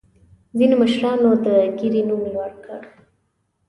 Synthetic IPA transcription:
zinoməʃɾɑnod̪əɡiɾinumiɳwaɽkə̰ɽ

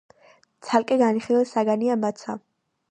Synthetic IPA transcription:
t̪sʰalkʼɛɡaniχilɛsaɡaniamat̪sʰa

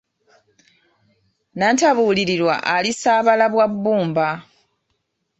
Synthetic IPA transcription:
nantaβuːliɾiɾwa̰ʔalisaːβalaβwabːuːmba

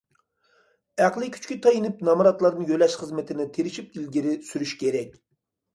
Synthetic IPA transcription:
æqlˠɨkʲʰy̥t͡ʃkʲit̪ʰɑjinɨp̚nɑmɾɑt̪lˠɑɾd̪ɨjølɛʃχəzmɪt̪ʰɪnɪt̪ʰeɾɪʃip̚ilɡʲiɾɪsyɾyʃkʲeɾɛkʲ

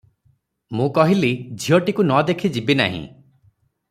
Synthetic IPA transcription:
mũkɔɦilid͡ʒʱiɔʈikunɔd̪ekʰid͡ʒibina̰ɦḭ̃

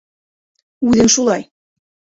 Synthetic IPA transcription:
ʉðɘŋʃulˠɑj

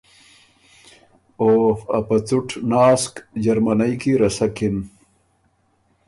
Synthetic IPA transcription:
oːfɐpɐt͡suʈʰnaːskd͡ʑɐɾmanajkiɾɐsakin

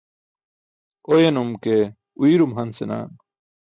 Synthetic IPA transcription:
ojenumke | uiɾumɦɐnsena̰ːn

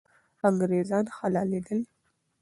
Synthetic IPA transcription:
aŋɡɾezɑnxalɑled̪əl

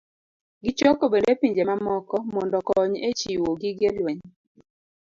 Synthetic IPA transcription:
ɡɪt͡ʃɔkobendepiɲd͡ʒemamɔkɔmɔndɔkɔɲet͡ʃiwoɡɪɡelweɲ

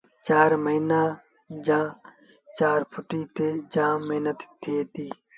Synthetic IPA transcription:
t͡ʃaːɾməiːnaː | d͡ʒãː | t͡ʃaːɾpʰʊʈiːt̪eːd͡ʒãːmeɦnət̪t̪ʰːieːt̪iː

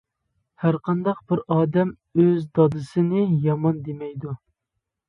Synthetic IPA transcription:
hæɾqʰɑnd̪ɑq̚b̥ɪɾɑːd̪ɛm | øzd̪ɑd̪ɨsɨnɨjɑmɑnd̪emɛjd̪u

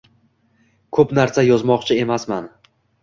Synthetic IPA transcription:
kʰɵpnaɾsajɒzmɒqt͡ʃʰɪe̞masman

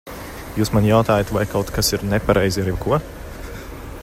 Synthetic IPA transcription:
juːsmanjawt̪aːjat̪vajkawt̪kasiɾnɛpaɾɛjziaɾjɛwkuɔ

